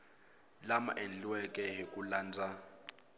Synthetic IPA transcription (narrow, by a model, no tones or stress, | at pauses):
lama̰ʔend͡ɮiwɛkʼɛɦikʼulaːnd͡zʱa